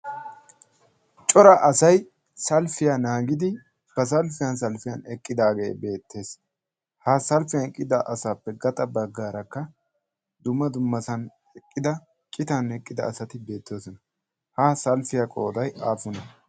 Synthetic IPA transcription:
t͡ʃʼɔɾɐʔɐsɐj | sɐlfɪjanaːɡɪd̪ɪ | b̥ɐs̬ɐlfɪjɐns̬ɐlfɪjɐnɛkʼːɪd̪aːɡe̞̰ːbe̞ːt̪ːe̞ːs | haːsɐlfɪjankʼːɪd̪ɐʔɐsaːpːɛɡɐt̪ʼɐbɐɡːaːɾɐkːɐ | d̪ʊmːɐd̪ʊmːɐsɐn | ɛkʼːɪd̪ɐ | kʼɪt̪ɐnɛkʼːɪd̪ɐ̰ːsɐt̪ɪbe̞ːt̪ːoːsɔnɐ | hasɐlfɪjɐkʼo̞ːd̪ɐjaːfʊnɐ

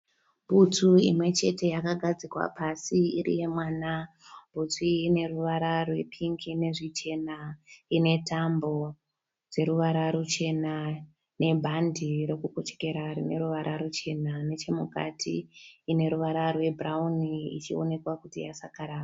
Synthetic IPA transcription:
bʱut͡suimwe̞t͡ʃe̞te̞jakaɡʱad͡zikwa̰pasiirḭje̞mwaːna | bʱut͡siine̞ruʋaɾarwe̞pʰiŋkine̞ʐit͡ʃe̞naine̞tambo̞ | d͡ze̞ɾuʋaɾaɾut͡ʃe̞na | ne̞bʱandʱiɾo̞kukot͡ʃe̥ke̞ɾarine̞ɾuʋaɾʔaɾut͡ʃe̞nanet͡ʃe̞muka̰tʰḭːne̞ɾuʋaɾarwe̞bʱrauniit͡ʃio̞̰ne̞kwakutḭjasakaɾaːa

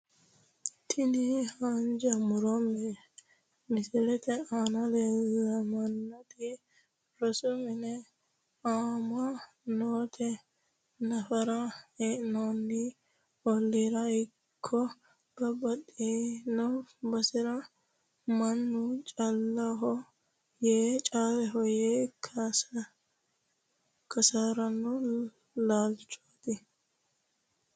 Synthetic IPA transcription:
t̪ʰɪnihand͡ʒɐmʊɾɔmɛ | mɪsɪlɛt̪ɛaːnɐlellɐmɐnːɐt̪i | ɾɔsɔmɪnɛ | aːma | noːt̪ʰɛ | nɐfɐɾɐeʔnonːi | ɔlːiɾɐɪ | kʰːɔ | b̥ɐbɐtʼːeːnɔbɐsɪɾɐ | mɐnːʊt͡ʃʼɐlːɐɦɔ | jeːt͡ʃʼaːlɛɦɔjeː | kʰɐsaːɾɐnːɔ | laːlt͡ʃʼo̥ːt̪ɪ

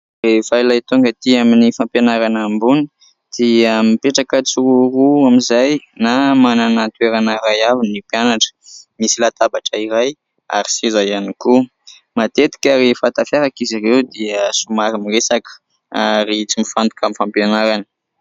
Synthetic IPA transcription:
refajlajt̪uŋɡət̪iaminifampjonaɾanambuni | d̪̥imipeʈ͡ʂakət͡suuɾuamizajnamananat̪ueɾanəɾajavinipjanaʈ͡ʂə̥misilat̪abaʈ͡ʂəiɾaj | a̰ɾisizajaniku | mat̪et̪i̥kʲaɾefat̪afjaɾakizirewd̪iəsumaɾimiresakə̥ | aɾit͡simifant̪u̥kamifampjonaɾanə̥

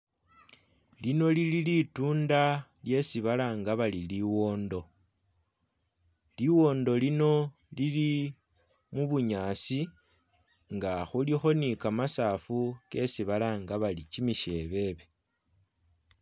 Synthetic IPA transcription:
lino̞lililituːndalje̞siβalaŋɡaβaliliwo̞ːndo̞ | liwo̞ːndo̞lino̞ | lili | muβuɲasi | ŋɡaxulixo̞nikamasafuke̞siβalaŋɡaβalit͡ʃimiʃe̞βe̞βe̞

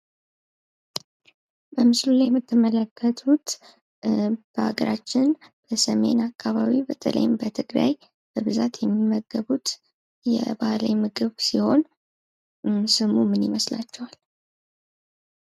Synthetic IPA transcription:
bəmɨslulajɛmːɨt̪ʰːɨmələkʰːət̪ʰut̪ | b̥əha̰ɡəɾat͡ʃːɪnb̥əsəme̞̰nakʰːaβaβibət̪ʼə̰lʔə̰jɪmbət̪ʰɨɡɾa̰j | b̥əβɨzat̪jɛmːimːəɡːəβut̪ | jɛ̰bala̰jmɨɡɨβsiho̞n | sɨmumɨnjɪməslat͡ʃːɛwal

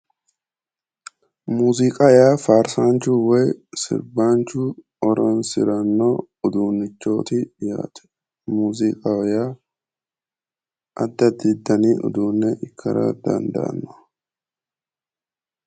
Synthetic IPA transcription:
muːzɪkʼajaːfaːɾsaːnt͡ʃuːwɛjsɪ̰ɾbaːnt͡ʃuː | ɔɾɔnsɪɾɐnːoː | ʊd̪uːnːɪt͡ʃːo̞ːt̪ɪja̰ːt̪ʊ̥ | muːzɪkʼajaː | ʔɐd̪ːɐd̪ɪd̪ːɐniːʔʊ̰d̪uːnːɛʔɪkʰːɐ̰ɾɐ̰d̪ɐ̰nd̪ɐ̰ʔɐ̰nːɔ̥

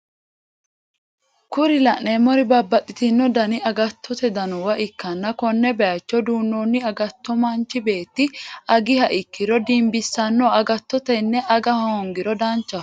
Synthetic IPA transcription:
kʊɾɪlɐʔnemɔɾɪbɐbːɐt̪ʼːɪt̪ɪnːɔd̪ɐnɪɐɡɐt̪ʰːɔt̪ɛd̪ɐnɔwɐʔɪkːɐnːɐkɔnːɛbɛjɐt͡ʃːɔd̪uːnːoːnːɪɐɡɐt̪ːɔmɐnt͡ʃːɪbe̞ːt̪ːɪɐɡɪhɐʔɪkːɪɾɔd̪imbɪsːɐnːɔɐɡɐt̪ːɔt̪ɛnːɛʔɐɡɐhoːŋɡɪɾɔd̪ɐnt͡ʃːɐ

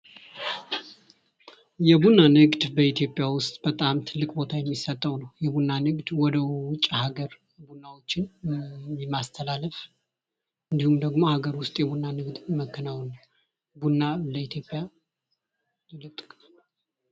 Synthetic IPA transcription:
jɛbunːanɨɡd̪bəit̪ʰjo̞pʼjawʊst̪ʼb̥ət̪ʼamt̪ʰɨlːɨkʼbo̞t̪ʰajɛmːisət̪ʼːəwnəwjɛbunːanɨɡd̪wɔd̪əwʊt͡ʃʼːhaɡəɾ | bunːawo̞t͡ʃːɪn | mːast̪ʰəlalːəf | ɨnd̪ihumd̪əɡmo̞haɡəɾwʊst̪ʼjɛβunːanɨɡd̪məkːɨnawnəw | bunːaləit̪ʰjo̞pʼːja | lɨt̪ʼkʼ

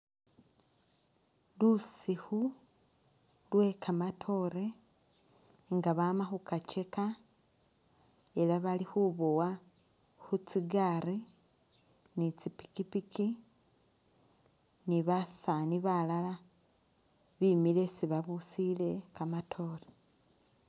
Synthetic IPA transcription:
lusixu | lwe̞kʰamatʰo̞ɾe | ŋɡaβaːmaxukat͡ʃe̞ka | e̞laβalixuβowa | xut͡siɡari | nit͡sipi̥kipiki | niβasaniβalala | βimile̞siβaβusile̞kamatʰo̞ɾe

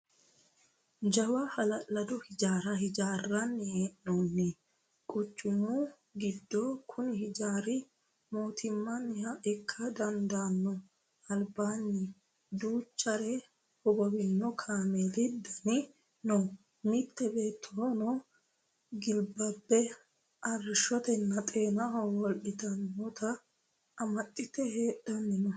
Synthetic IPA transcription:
d͡ʒɐwahɐlɐlːɐd̪ɔhɪd͡ʒaːɾɐhɪd͡ʒaːrːɐnːɪeːʔnɔnːɪ | kʼʊt͡ʃʼːʊmu | ɡɪd̪ːɔkʰʊnɪhɪd͡ʒaːɾɪ | moːt̪ʰɪmːɐnːɪhɐʔɪkʰːɐd̪ɐnd̪anːɔ | ɐlbaːnːɪ | d̪uːt͡ʃːɐɾɛ | hɔɡɔwɪnːɔkʰaːmɛlɪd̪ɐnɪ | nɔ | mɪt̪ːɛbe̞ːt̪ʰːonɔ | ɡɪlbɐbːɛ | ɐrɪʃɔt̪ɛnːɐt̪ʼeːnɐɦɔwɔlɗɪt̪ɐnːɔt̪ɐː | mɐt̪ʼːɪt̪ɛhe̞ːɗɐnːɪnɔ

